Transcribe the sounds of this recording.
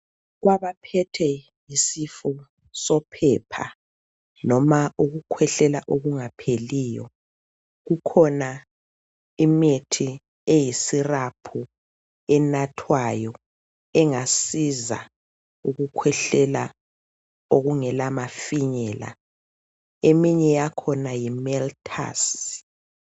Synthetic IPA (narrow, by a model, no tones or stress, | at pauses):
ɣwaβapʰɛtʰɛ | jisifɔ | sɔpʰɛpʰa̰ | nɔmaʔuɣukʰwɛɬɛlaʔoɣuŋapʰeliːjɔ̰ | ɣukʰɔna | imetʰi | ejisirapʰu | ɛnatʰwajɔ | ɛŋasiza̰ | uɣukʰwɛɬɛla | oɣuŋɛlamafiɲɛla̰ | emiɲɛjakʰɔnajimɛltʰa̰s